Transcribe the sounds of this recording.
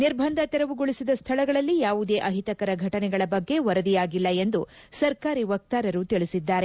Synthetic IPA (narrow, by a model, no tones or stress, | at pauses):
niɾbʱɐnd̪ʱɐt̪ɛɾɐʋuɡoɭisid̪ɐst̪ʰɐɭɐɡɐɭɐlːijaːʋud̪e̞ːʔɐɦit̪ɐkɐɾɐɡʱɐʈɐnɛɡɐɭɐbɐɡːe̞ʋɐɾɐd̪ijaːɡilːɐe̞nd̪usɐɾkaːɾiʋɐk̚t̪aːɾɐɾut̪iɭisid̪ːaːɾe̞